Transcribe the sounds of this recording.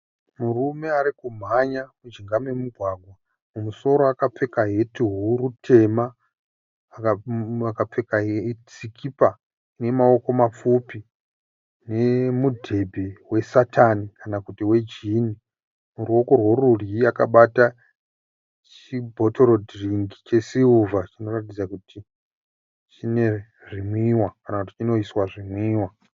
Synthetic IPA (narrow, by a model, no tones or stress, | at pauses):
murume̞aɾikum̤aɲakud͡ʒiŋɡamwemuɡʱwaːɡʱwa | mumuso̞ɾoakap͡fe̞kaɦetiɦurutʰe̞ma | akakap͡fekaɦet͡sikʰipa | ne̞mao̞ko̞map͡fupi | ne̞mudʱe̞bʱe̞we̞satʰanikanakutiwe̞d͡ʒini | muɾuo̞ko̞rwo̞ruriakaɓata | t͡ʃ | ibʱo̞to̞ɾo̞dʱriŋɡit͡ʃe̞siuvat͡ʃino̞ratid͡zakuti | t͡ʃine̞ | ʐimwiwakanakuti̥t͡ʃino̞iswaʐimwiːwa